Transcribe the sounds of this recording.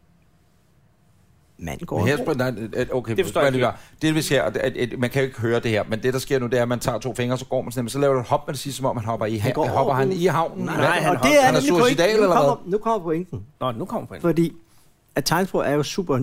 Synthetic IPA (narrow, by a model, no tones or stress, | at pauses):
mæ̰n̰ɡ̥ɒ̰heɐ̰b̥oʊkʰḛɔliɡɐd̥eʋese̝ɐ̰mænkʰæjo̝e̝ɡ̥əɦøːɐd̥e̝heɐ̰mend̥e̝ɾ̥ɑ̈sɡ̥e̝ɐ̰nud̥e̝æɐmænt͡sʰɑ̰̈ːt͡sʰo̝̰ːfeŋɐsɒ̽ɡ̥ɒ̰ːmænsnmensɒlɛːʊɐɾ̥ud̥hɒ̽b̥mænd̥ʰesi̥ːsɒ̽mɒ̽mhænɦɒ̽b̥ɐiɡ̥hɒ̥ɐhæniɦɑ̈ʊ̰nn̩e̥enæuɐsid̥ɛ̰ːlelɐɛðnukʰɒ̽m̰ɐpʰɔeŋd̥n̩nnukʰɔ̰m̰ɐpʰfɒd̥ḭː | æt͡sʰɑ̈ɪnsb̥oæɐjo̝sṵːb̥ɐ